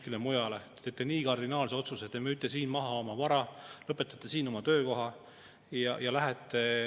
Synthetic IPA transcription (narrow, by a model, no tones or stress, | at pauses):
kilemujɑle̞t̪eːt̪ːˑeniːkɑrd̪inɑːlseo̞t̪suset̪ːˑemyyt̪ːˑesiːnmɑɦɑo̞mɑvɑɾɑlɤpːˑe̞t̪ːˑɑt̪ːˑesiːno̞mɑt̪ø̞ːko̞ɦɑ | jɑjɑlæɦɛt̪ˑːe